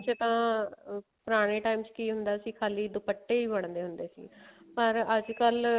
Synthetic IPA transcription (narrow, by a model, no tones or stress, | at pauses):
t͡ʃət̪ãː | pʊɾaːɽ̃eːʈaːiːmt͡ʃkiːɦʊnd̪aːsiːkʰaːliːd̪ʊpəʈːeːiːbəɽ̃d̪eːɦʊnd̪eːsḭːpəɾəd͡ʒkəl